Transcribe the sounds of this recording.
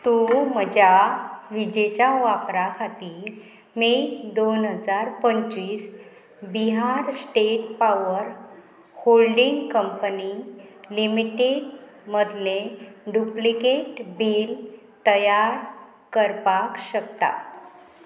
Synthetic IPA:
t̪ũməd͡ʑaʋid͡ʑet͡ɕjaʋapɾakʰat̪iːɾ | med̪onɦəd͡zaɾpəɲt͡ɕʋiːs | biɦaɾsʈeʈ̚paʋəɾ | holɖiŋɡkəmpənilimiʈeɖ | məd̪ʱleɖuplikeʈbil | t̪əjaɾ | kəɾpakɕək̚t̪a̰

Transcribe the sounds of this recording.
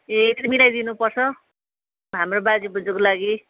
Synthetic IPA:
ekibilajd̪inupʌrt͡sʰʌ | ɦamrobad͡zubʌd͡zokolaɡi

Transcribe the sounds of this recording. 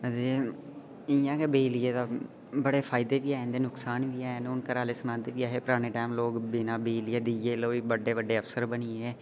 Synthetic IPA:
d̪eː | ɪjãːkebeːlɪjeːt̪aː | bəɽeːpʰaːɪd̪eːʋiːaːnd̪eːnʊksaːnʋiːaːnʊnkəɾaːleːsənãːnd̪eːʋiːaːɦeːpʊɾaːɽ̃eːʈɛːmloːɡbɪnaːbeːlɪeːd̪ɪjeːloːiːbəɖːeːʋəɖːeːəpsəɾbənieɛː

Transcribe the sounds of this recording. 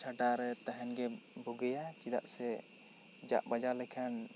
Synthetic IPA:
t͡ʃʰaʈaɾɛt̪aɦɛnɡɛbuɡɛjat͡ʃid̪a̰ʔsɛ | d͡ʒa̰ʔbad͡ʒaɾlɛkʰan

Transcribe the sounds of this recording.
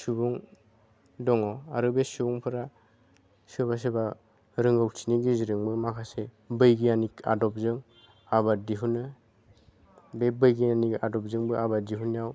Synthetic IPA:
subuŋ | dɔŋɔaɾɯbesubuŋpʰɯɾa | sɯbas̬eba | ɾɯŋɡawt͡ʃʰiniɡiziɾɯŋbɯmakʰase | bɯjɡijanika̰dɔp̚zɯŋ | abadiɦunɯ | bebɯjɡianikadɔp̚zɯŋbɯʔabadiɦunijaw

